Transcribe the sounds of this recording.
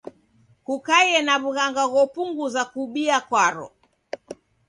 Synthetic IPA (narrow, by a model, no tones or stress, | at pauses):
kukajɛnaβuɣaŋɡaɣɔpuŋɡuzakuɓiakwaɾɔ̰